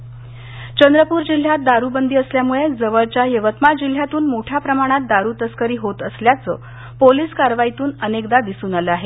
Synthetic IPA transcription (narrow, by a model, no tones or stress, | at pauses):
t͡ɕənd̪ɾəpuːɾd͡ʑil̤jat̪̚d̪aɾuːbənd̪ʱiːəsljamuɭed͡zəʋəɭt͡ɕjaɦeʋət̪mad͡ʑil̤ːjat̪uːnmoʈʰjapɾəmaɽ̃at̪̚d̪aɾuːt̪əskəɾiːɦot̪əsljat͡sə̰ː | poliːskaɾʋait̪uːnənekd̪ad̪isuːnaləaɦe